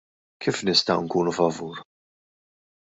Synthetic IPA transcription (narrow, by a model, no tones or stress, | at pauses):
kʰiːfnɪst̪ɐwɪŋkuːnufɐvuːɾ